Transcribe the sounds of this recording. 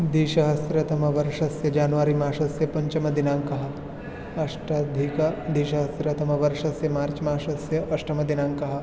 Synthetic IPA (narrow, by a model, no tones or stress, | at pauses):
d̪iːʃɐɦɐsɾɐt̪ɐmɐʋɐɾʂɐsjɐd͡ʒaːnʋaːɾimaːʃɐsjɐpɐɲt͡ʃɐmɐd̪inãːŋkɐɦɐ | ɐʃʈɐd̪ʱikɐd̪iːʃɐɦɐsɾɐt̪ɐmɐʋɐɾʃɐsjɐmaːɾt͡ʃmaːʃɐsjɐʔɐʃʈɐmɐd̪inãːŋkɐɦɐ̆